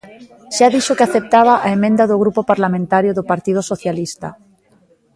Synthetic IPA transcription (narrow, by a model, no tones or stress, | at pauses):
ʃaðiʃokɪaθep̚t̪aβ̞aʔaemẽnd̪aðoɣ̞ɾupopaɾlamẽnt̪aɾjʊðopaɾt̪ið̞osoθjalist̪a̰